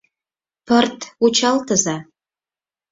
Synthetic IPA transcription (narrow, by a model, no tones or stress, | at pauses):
pərt̪ut͡ɕɑlt̪əzɑ